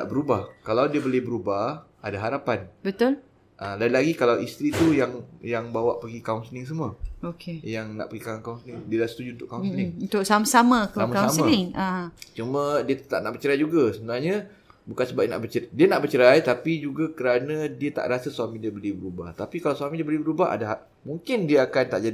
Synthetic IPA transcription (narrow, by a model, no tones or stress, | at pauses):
na̰ʔbəɾubahkalawdiəbolɪhbəɾubah | adaɦaɾapanbət̪ʊl | ʔalajlaɡikalawist̪ɾit̪ujaŋjaŋbawaʔpaɡikauŋsənɪŋs̬əmuaokʰejaŋna̰ʔpəɡikaŋkauŋsənɪŋdiədahsə̥t̪ud͡ʒuunt̪ʊʔkːaũsənɪunt̪ʊk̚samasamãksamasasmanɪŋat͡ʃumə̃diət̪ət̪a̰ʔ̚naʔbət͡ʃəɾajd͡ʒuɡasəbənarɲã | bukansəbap̚ina̰ʔbət͡ʃədianaʔbərt͡ʃəɾajt̪apid͡ʒuɡakəɾanãdiət̪a̰ʔɾasasuamidiəbəlibəɾuba̰ht̪apikalawswamidiəbəlibəɾubaɦa̰daɦa | muŋkɪndiaakant̪a̰ʔd͡ʒa